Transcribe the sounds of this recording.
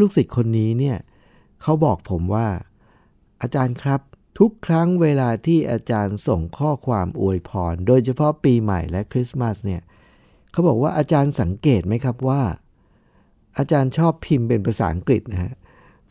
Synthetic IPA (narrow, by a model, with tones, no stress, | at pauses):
luː˥˩ksi˨˩t̪̚kʰo˧nːiː˦˥ni˥˩ɐ | kʰa˦˥wbɔː˨˩k̚pʰo˩˦mwaː˥˩ | ʔaː˧t͡ɕaː˧nkʰɾa˦˥p̚t̪ʰu˦˥kʰːɾa˦˥ŋweː˧laː˧t̪ʰiː˥˩ʔaː˧t͡ɕaː˧nso˨˩ŋkʰɔː˥˩kʰwaː˧mʔu˧əjpʰɔː˧ndoː˧jt͡ɕʰa˧pʰɔ˦˥piː˧ma̰˨˩jlɛ˦˥kʰɾi˦˥sma˦˥sni˥˩ɐ | kʰa˦˥wbɔː˨˩k̚waː˥˩ʔaː˧t͡ɕaː˧nsa˩˦ŋkeː˨˩t̪̚ma˦˥jkʰa˦˥p̚waː˥˩ | ʔaː˧t͡ɕaː˧nt͡ɕʰɔː˥˩pʰi˧mpe˧npʰa˧sa̰ː˩˦ʔa˧ŋkɾi˨˩t̪̚na˦˥ka˦˥ʔ